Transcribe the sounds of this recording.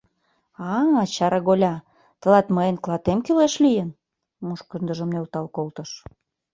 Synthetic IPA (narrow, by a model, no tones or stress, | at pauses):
ɑŋɑt͡ɕɑɾɑɣolʲɑ | t̪əlɑt̪məenklɑt̪emkyleʃlijə̆n | muʃkə̆nd̪ə̆ʒə̆mnølt̪ɑlkolt̪ɤ̆ʃ